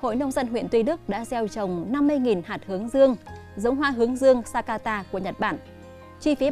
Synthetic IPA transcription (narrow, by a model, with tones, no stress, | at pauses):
ho̰˧˨jnə˧wŋ͡mzə˧nɦwḭ˧˨ənt̪wi˧ɗɨ˦˥ək̚ɗa̰ː˧˥zɛ˧wt͡ɕə˨˩wŋ͡mna˧mːɨ˧əjŋi˨˩nhaː˨˩t̚hɨ˨˦əŋzɨ˧əŋ | zə˨˦wŋ͡mɦwaː˧ɦɨ˨˦əŋzɨ˧əŋsaː˧kaː˧t̪aː˧ku˧˩əɲə˨˩t̚ɓa̰ː˧˩n | t͡ɕwi˧fi˨˦